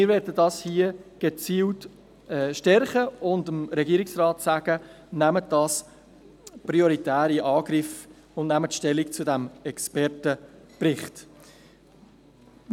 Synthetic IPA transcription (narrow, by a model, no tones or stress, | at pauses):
mɪːɾʋɛːɾdədɑshiəɡ̥ət͡siːlt | ɛːʃtɛɾχəʊndəmɾɛɡiəɾɪksrɑːtsæɡ̥ə | næməd̥ɑs | prioɾitæːɾiʔɑːɡ̥ɾɪf | ʊndnæmətʃtɛlːikt͡sʊdæmɛkspɛrtəprɪχt